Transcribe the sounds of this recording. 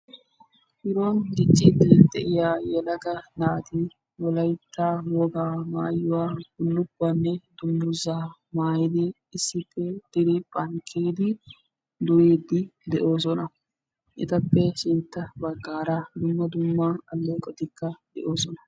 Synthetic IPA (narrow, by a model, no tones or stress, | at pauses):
ʔɪɾonɡɪt͡ʃʼːɪd̪ɪd̪ɛʔɪjaːjɛlɐɡɐnaːt̪ɪ | wɔlɐjt̪ːawɔɡaːmaːjːʊwaːɡʊlːʊbːanːɛd̪ʊmːʊɾzaːmaːjɪd̪ɪː | sːɪpːɛd̪̥ɪɾɪpʼɐŋkʰeːd̪ɪ | d̪ʊjeːd̪ɪd̪ɛʔo̞ːs̬ɔnɐ | ʔɪt̪ɐpːɛʃɪnt̪ːɐbɐɡːaːɾad̪ʊmːɐd̪ʊmːaɐlːekʼɔd̪ɪkːɐd̪ɛ̰ʔo̞ːsɔnɐ